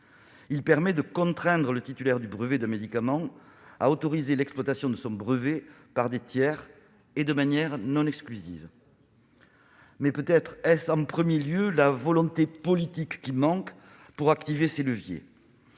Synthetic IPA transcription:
ilpɛʁmɛd̪əkɔ̃t̪χɛ̃d̪ʁələt̪it̪ylɛʁd̪ybʁəved̪ɛ̃med̪ikamɑ̃a̰ot̪ɔʁizelɛksplwat̪asjɔ̃d̪əsɔ̃bʁəvepaʁd̪et̪jɛʁ | ed̪əmanjɛʁnɔ̃nɛksklyzḭv | mɛpøt̪ɛt̪χɛsɑ̃pχəmjeljølavɔlɔ̃t̪epɔlit̪ikːimɑ̃k | puʁakt̪iveseləvjḛ

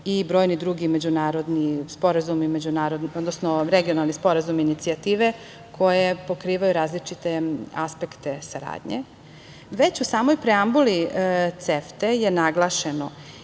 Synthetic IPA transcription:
ibɾo̞ːjnid̪ɾuɡimed͡ʑunaːɾo̞d̪nispo̞ɾazumime̞d͡ʑunaːɾod̪nod̪nosnoɾeɡio̞nalˠnispo̞ɾazuminit̪siat̪iːʋe | kʰo̞jepo̞kɾiːʋajuɾaːzlit͡ʃit̪e̞a̰spekt̪e̞saɾa̰ːd̪ɲḛ | ʋe̞t͡ɕusaːmo̞jpɾeambulit̪seft̪ejenaɡlˠaʃeno

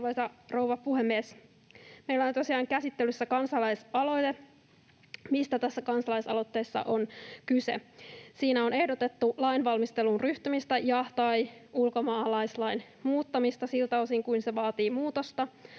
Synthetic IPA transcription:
ʋɑjsɑrouʋɑpuhemːies | meilæont̪osiɑːŋkæsit̪ːelysːækɑnsɑlɑjsɑlo̞jt̪e | mist̪æt̪æsːækɑnsɑlɑisɑ̰lo̞t̪ːe̞ːsːɑ̰ʔo̞nkysḛsiːnæo̞ne̞hdot̪e̞t̪ːulɑinʋɑlmist̪elunryht̪ymist̪æjɑt̪ɑiulkomɑːlɑjslɑin | muːt̪ːɑmist̪ɑsilt̪æosiŋkuinseʋɑːt̪iːmuːt̪ost̪ɑ

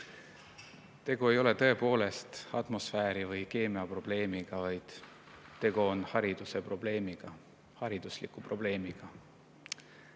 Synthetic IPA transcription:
t̪e̞ɡ̥oe̞jo̞le̞t̪ɤe̞po̞ːle̞st̪ɑt̪mo̞sfæːɾivɯjke̞ːmeɑpro̞b̥le̞ːmiɡ̥ɑvɑjd̪̥ | t̪ːe̞ɡ̥oonhɑɾid̪̥use̞proble̞ːmiɡ̥ɑ | hɑɾid̪̥uslḭkːˑupro̞b̥le̞ːmiɡ̥ɑ

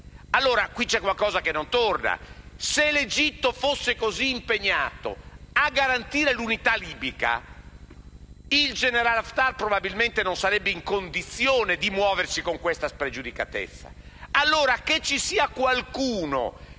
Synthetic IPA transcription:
alːoːɾakwit͡ʃɛkwalkɔːzakenːont̪orna̰ | seled͡ʒit̪ːofosːekoziːmpeɲːa̰ːt̪o̰aɡːaɾant̪iːɾelunit̪aliːbika̰ | ild͡ʒeneɾalaft̪arpɾobabilment̪enõnsaɾɛbːeiŋkond̪it̪sːjoːned̪imwɔːversikoŋkwest̪aspɾed͡ʒud̪ikat̪ḛt̪sːa̰ | alːoːɾaket͡ʃːisiːakwalkuːno̰

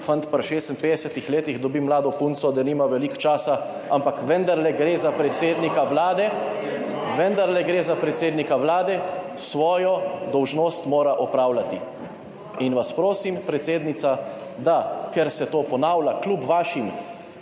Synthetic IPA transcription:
fant̪paɾʃeːst̪ənpeːd̪ɛsɛt̪ixleːt̪ixd̪ɔbimlaːd̪ɔpunt̪sɔd̪ɐniːmaʋɛlikt͡ʃaːsa | ampakʋɛnd̪aɾlɛɡɾeːzapɾɛt̪seːd̪nikawlaːd̪ɛ | ʋɛnd̪aɾlɛɡɾeːzapɾɛt̪seːd̪nikawlaːd̪ɛ | sʋɔːjɔd̪ɔwʒnoːst̪moːɾaʔɔpɾaːwlat̪i | inʋaspɾoːsimpɾɛt̪seːd̪nit̪sad̪akɛɾsɛt̪oːpɔnaːwlaklubʋaːʃim

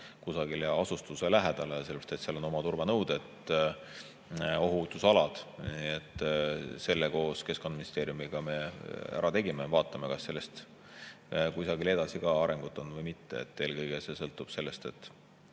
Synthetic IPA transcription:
kusɑɡ̥ileɑsust̪uselæɦed̪̥ɑleɑselebɑst̪et̪seɑlono̞mɑt̪urvenɤwd̪̥et̪ː | o̞ɦut̪ːˑusɑlɑd̪̥niːet̪ːse̞lːeko̞ːske̞sko̞nd̪ɑminist̪e̞ːɾijumiɡ̥ɑme̞æ̰ɾʔɑt̪e̞ɡimevɑːt̪ˑːɑmekɑsːe̞lːest̪ | kujsɑɡile̞d̪ɑsikɑɑɾe̞ŋɡ̥ut̪ːˑo̞nːvɤjmit̪ːeḛt̪ːe̞ːlkɤjɡ̥ese̞sɤlt̪ːˑub̥se̞lːe̞st̪e̞t̪ːˑ

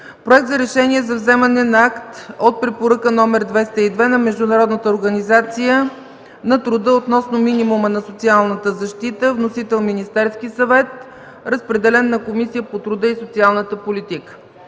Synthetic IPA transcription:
pɾoɛk̚t̪zɐɾɛʃɛniɛzɐvzɛmənɛnɐakt̪ot̪̚pɾɛpoɾəkənɔmɛɾd̪vɛst̪əid̪vɛnɐmɛʒd̪ʊnɐɾɔd̪nət̪əoɾɡɐnizat̪sijə | nɐt̪ɾʊd̪əot̪nɔsnominimumənɐsot̪sialˠnət̪əzɐʃt̪it̪əvnosit̪ɛlˠminist̪ɛɾsk̟isɐvɛt̪ | ɾəspɾɛd̪ɛlɛnːɐkomisijəpot̪ɾʊd̪əisot̪sialˠnət̪əpolit̪ikə̥

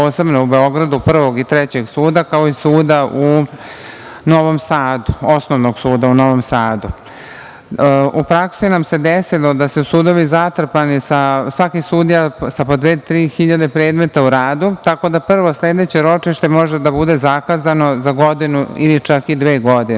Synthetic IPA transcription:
poːse̞bnoube̞o̞ɡɾad̪upr̩ʋo̞ɡit̪ɾet͡ɕe̞ɡsuːd̪akao̞isuːd̪aʔu | no̞ʋo̞msaːd̪uosnoʋnoɡsuːd̪auno̞ʋo̞msaːd̪u | ʔupɾaksinamse̞d̪esilˠo̞d̪asusuːd̪o̞ʋizat̪r̩panisasʋakisuːd̪ijasapod̪ʋet̪ɾiːxiʎad̪e̞pɾe̞ːd̪me̞t̪auɾaːd̪ut̪ako̞d̪apr̩ʋo̞sled̪e̞t͡ɕe̞ɾo̞t͡ʂiʃt̪emo̞ʒe̞d̪abud̪e̞zakaːzano̞zaɡod̪inuilit͡ʃakid̪ʋeːɡo̞d̪in

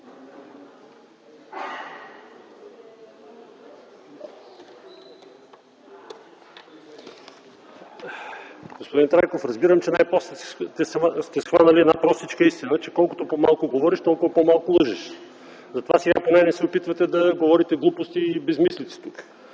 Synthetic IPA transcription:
ɡ̥ospod̪int̪ɾajkofɾɐzbiɾəmt͡ʃɛnajpɔslɛst̪ɛsst̪ɛsxvanəliɛd̪napɾɔst̪it͡ʃkəist̪inət͡ʃɛkɔlˠkot̪opomalˠkʊɡovɔɾiʃt̪ɔlˠkʊvɐpɔmalˠkʊlˠɤʒɛʃ | zɐt̪ovasɛɡaponɛnɛsɛopit̪vət̪ɛd̪ɐɡovɔɾit̪ɛɡlˠupost̪iːbɛzmislit̪si̥t̪uk

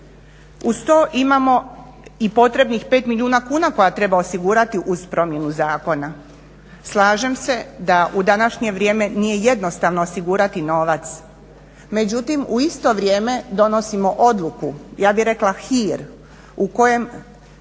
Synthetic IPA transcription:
ust̪oːʔimamo̞ | ipo̞t̪ɾe̞bnixpe̞ːt̪miljuːnakuːnako̞jat̪ɾe̞baosiɡuːɾat̪iʔuz̥pɾo̞mje̞nuzaːko̞na | slˠaːʒe̞mse̞d̪aʔud̪anaʃɲe̞ʋɾje̞ːme̞nije̞je̞d̪no̞st̪aʋnoosiɡuːɾat̪ino̞ʋat̪s | me̞d͡ʑut̪imuist̪o̞ʋɾʲje̞ːme̞d̪o̞no̞simo̞ʔo̞d̪lˠukujaːbiɾe̞klaxiːɾ | uko̞je̞m

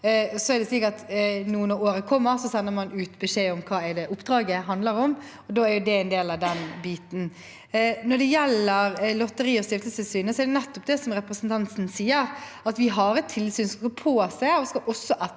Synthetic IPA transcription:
ɔsɔɛɾɖ̪ɛsliːkɑt̪nuːənəoːɾəkʰɔmːəɾsɔsɛnːəɾmɑnʉːt̪bɛʂeːɔmkʰɑːɛd̪ɛʔʊpːd̪ɾɑːɡəɦɑnd̪ləɾɔm | ɔd̪oːæɾjʊd̪ɛɛnd̪eːlɑʋd̪ɛnbiːt̪n̩ | nɔɖ̪ɛjɛlːəɾlɔt̪ːəɾiːɔst̪ɪft̪l̩st̪əsyːnəsɔɛɾɖ̪ɛnɛt̪ːɔpd̪ɛsɔmɾɛpɾəsnt̪ʰɑnt̪sn̩siːəɾ | ɑt̪ʋɪɦɑɾɛt̪ʰːɪlsyːnsɔmskɑpʰoːsæɔskɑʔɔsːɔʔɛ

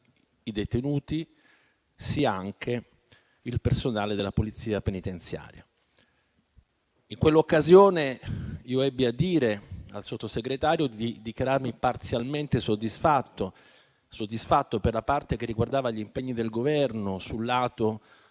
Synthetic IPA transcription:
id̪et̪enuːt̪i | siaaŋkʰe | ilpersonaːled̪elːapolit̪sːiːapenit̪ent̪sja̰ːɾja̰ | iŋkwelːokːazjoːneiːoɛbːiad̪ːiːɾea̰lsot̪ːoseɡɾet̪aːɾjod̪iid̪ikjaɾarmipart̪sjalment̪esod̪ːisfat̪ːo | sod̪ːisfat̪ːoperlapart̪ekerːiɡward̪aːvaʎimpeɲːid̪elɡovɛrnosulːaːt̪o

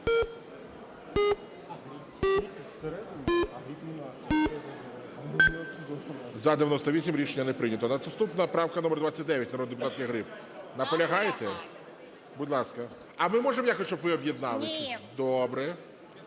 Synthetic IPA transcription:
seɾɛd̪ʲɾʲi | zɐd̪eʋʲjɐnɔst̪ɔʋʲisʲimɾʲiʃenʲːɐnepɾɪnʲɐt̪ɔnɐt̪st̪upnɐpɾɑwkɐnɔmɛrd̪ʋat͡sʲːɐtʲd̪ɛʋʲjɐtʲnɐɾɔd̪d̪epʊt̪ɑt̪kɪɦɾɪp | nɐpɔlʲɐɦɑjet̪ɛ | budʲlˠɑskɐ | ɐmɪmɔʐemɔjakɔsʲt͡ʃɔbʋɪɔbjid̪nɑlˠɪsʲid̪ɔbɾɛ

